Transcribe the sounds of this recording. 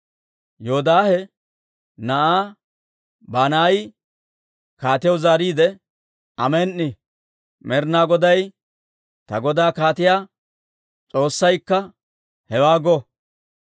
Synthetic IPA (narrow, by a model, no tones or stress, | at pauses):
joːd̪aːhɛ | nɐʔaː | baːnaj | kaːt̪ɪjɔwzaːɾiːd̪ɛ | ʔɐmeːnːɪ | mɛɾnaːɡɔd̪ɐj | t̪ɐɡɔd̪aːkaːt̪ɪjaː | t͡sʼo̞ːsːɐjkːɐ | hɛwaːɡɔ